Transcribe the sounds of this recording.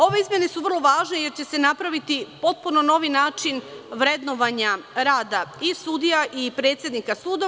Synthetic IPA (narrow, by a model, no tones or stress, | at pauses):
o̞ʋe̞izmjene̞suʋər̩lˠo̞ʋaːʒne̞je̞ɾt͡ɕe̞se̞napɾaʋit̪ipo̞t̪̚puno̞no̞ʋinaːt͡ʃinʋɾe̞d̪noʋaɲaɾaːd̪aisud̪ijaʔipɾe̞ːt̪sʲje̞d̪nikasuːd̪o